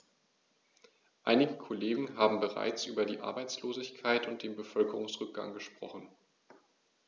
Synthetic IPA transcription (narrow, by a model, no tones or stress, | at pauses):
ʔaɪnɪɡəkʰoleːɡŋ̩ɦaːbm̩bəʁa̰ɪt͡sʔyːbɐdiːʔa̰ɐbaɪt͡sloːzɪçkʰaɪtʊnt̚d̥eːnbəfœlkəʁʊŋsʁ̥ʏk̚ɡ̥a̰ŋɡəʃpʁ̥ɔ̰χn̩